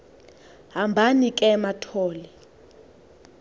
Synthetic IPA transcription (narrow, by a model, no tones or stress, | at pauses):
ɦambʱanikʼɛmatʰɔːlɛ